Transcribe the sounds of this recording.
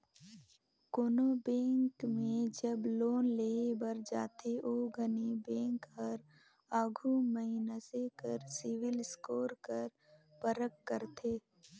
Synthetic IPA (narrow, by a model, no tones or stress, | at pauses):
koːnobẽːŋkmẽd͡ʒəbloːnleːbəɾd͡ʒa̰ːt̪ʰeʔoːɡʱənibẽːŋkɦɐɾ | aːɡʱuməɦɪnasekəɾsɪʋɪlskoːɾkəɾ | pəɾəkːəɾt̪ʰeː